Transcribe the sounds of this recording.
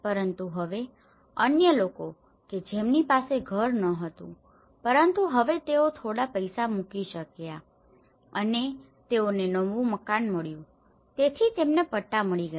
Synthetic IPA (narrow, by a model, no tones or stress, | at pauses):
pəɾənt̪uɦəʋe | ənjəloko | ked͡ʒemnipaseɡʱəɾnəɦət̪ṵ̃ | pəɾənt̪uɦəʋet̪eot̪ʰoɽapəjsamukiʃəkja | əne | t̪eonenəʋũməkanməɭjũ | t̪et̪ʰit̪emnepəʈːaməɭiɡə